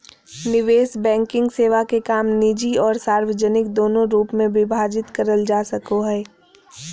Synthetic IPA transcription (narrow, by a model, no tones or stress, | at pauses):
nɪʋeːsbɛ̃ːŋkɪ̃ŋɡseːʋakekaːmnid͡ʒiɔːɾsaːɾʋəd͡ʒənɪk̚d̪oːnõɾuːpmẽʋɪbʱaːd͡ʒɪt̪kɐɾəld͡ʒaːsɐkoɦɛː